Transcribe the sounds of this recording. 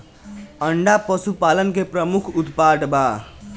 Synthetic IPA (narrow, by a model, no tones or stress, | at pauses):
əɳɖapəsupaːlənkepɾəmʊkʰʊt̪paːʈbaː